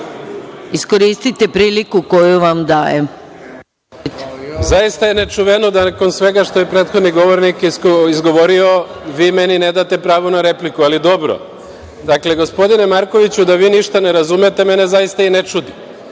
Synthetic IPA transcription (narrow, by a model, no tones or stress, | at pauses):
isko̞ɾiːst̪it̪epɾiːlikuko̞juʋamd̪aːjḛ | t̪e̥zajist̪ajenet͡ʃuʋenod̪anako̞nsʋe̞ɡaʃt̪ojepɾeːt̪xo̞d̪niɡo̞ʋoɾnikiizɡo̞ʋo̞ɾio̞ʋiːme̞nine̞d̪at̪e̞pɾaːʋonaɾe̞plikualid̪o̞bɾo̰ | d̪akle̞ɡo̞spo̞d̪ine̞maɾko̞ʋit͡ɕud̪aʋiːniʃt̪ane̞ɾazumet̪e̞me̞ne̞zaist̪ainet͡ʃud̪i